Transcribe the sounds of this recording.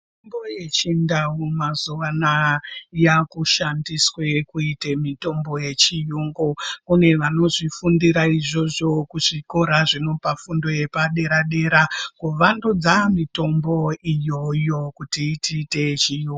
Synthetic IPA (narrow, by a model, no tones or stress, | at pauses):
imboje̞t͡ʃindaumazuʋanajakuʃandiswe̞kuitemito̞mbo̞je̞t͡ʃijuŋɡokune̞ʋano̞ʐifundiɾaiʐo̞ʐo̞kuʐiko̞ɾaʐino̞pafundo̞je̞paɗe̞ɾaɗe̞ːɾakuʋandud͡zamito̞mbo̞ijo̞jo̞kutitite̞t͡ʃijuːŋɡ